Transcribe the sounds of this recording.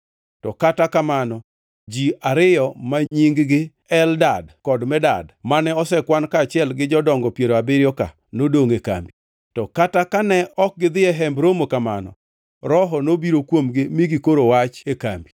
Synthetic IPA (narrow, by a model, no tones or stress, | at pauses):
tɔkatakamanɔ | d͡ʒiaɾɪjɔmaɲiŋɡɡɪ | ɛldadkɔdmɛda̰dmanɛɔsɛkwankat͡ʃɪɛlɡɪd͡ʒɔdɔŋɡɔpjeɾoabɪɾjɔka̰ | nodoŋeka̰mbi | tɔkatakanɛɔk̚ɡɪd̪ɪɛɦɛmbɾomokamanɔ̰ | ɾɔɦɔnobiɾokwomɡɪmiɡɪkoɾowat͡ʃeka̰mbi